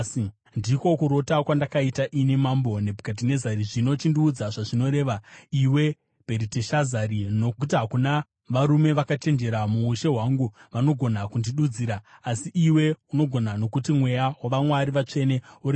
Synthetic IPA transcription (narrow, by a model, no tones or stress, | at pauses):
ndiko̞kuɾo̞takwandakaitaʔine̞mambo̞ne̞bukat̬ine̞zaɾiʐino̞t͡ʃindiːd͡zaʐaʐino̞ɾe̞ːʋaiwe̞ | peɾiteʃazaɾino̞ut̬iɦakuna | ʋaɾume̞ʋakat͡ʃe̞nd͡ʒe̞ɾamuːʃe̞ɦwaŋɡuʋano̞ɡʱo̞nakundiɗud͡ziːɾaːsiʔiwe̞uno̞ɡʱo̞nano̞kutimwe̞jawaʋamwaɾiʋat͡ʂe̞ne̞uɾi